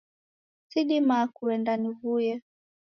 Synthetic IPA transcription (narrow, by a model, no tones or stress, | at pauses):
siɗimakuɛndanivujɛ